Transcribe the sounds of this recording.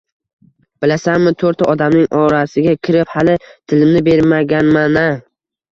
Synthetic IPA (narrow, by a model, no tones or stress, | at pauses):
b̥ɪlasanmɪt̪ʰoɾt̪ʰaʔɒd̪amnɪŋʔɒɾasɪɡʲakʲʰɪɾɪphalɪt̪ʰɪlɪmnɪbe̞ɾmaɡʲanmana